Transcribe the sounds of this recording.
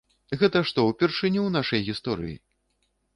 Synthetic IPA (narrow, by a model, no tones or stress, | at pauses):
ɣɛt̪ɐʂt̪ɔwpʲɛrʂɨnʲɛwnaʂɐjɣʲist̪ɔɾɨ̰jḭ